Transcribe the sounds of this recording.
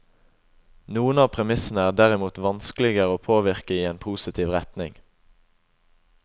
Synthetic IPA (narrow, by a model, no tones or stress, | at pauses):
nuːənɑːpʰʁɛmɪsn̩əæːʁd̪æʁɪmuːt̪ʋɑnsklɪɡəʁəoːpʰoːʋɪʁkəiːeːnpʰuːsɪt̪ʰiːʋʁɛt̪nɪŋ